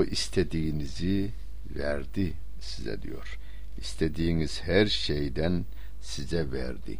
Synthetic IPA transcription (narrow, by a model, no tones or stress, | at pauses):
ʔist̪ʰed̪iinizi | væɾd̪i | sizɛ̰d̪ḭjo̰ɾ̥ | ist̪ʰed̪ijiniz̥hæɾʃejd̪æn | sizɛvæɾd̪ḭ